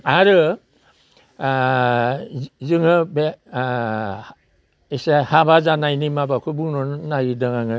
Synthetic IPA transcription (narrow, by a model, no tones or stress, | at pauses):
aɾɯ | zɯŋɯbe | isahabazanajnimabakʰɯbuŋnɔnnaɾidɯŋaŋɯ